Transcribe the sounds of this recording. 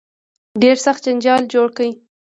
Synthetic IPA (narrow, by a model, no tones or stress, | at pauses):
ɖeɾsaxt̪̚d͡ʒand͡ʒɑld͡ʒoɽkawi